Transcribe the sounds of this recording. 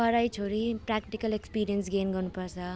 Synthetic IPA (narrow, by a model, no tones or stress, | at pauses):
ʌɾajt͡sʰoɾiprakʈikʌlekspiɾijʌnsɡenɡʌrnupʌrt͡sʰʌ